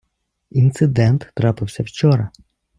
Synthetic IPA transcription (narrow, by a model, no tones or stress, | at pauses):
int̪sɪd̪ɛnt̪ːɾɑpɪwsʲɐwt͡ʃɔɾɐ